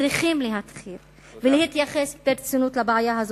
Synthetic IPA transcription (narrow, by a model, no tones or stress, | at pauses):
ʁiχimleɦat̪χil | velehit̪jaχesbeɾt͡sunut̪labʕajaɦaz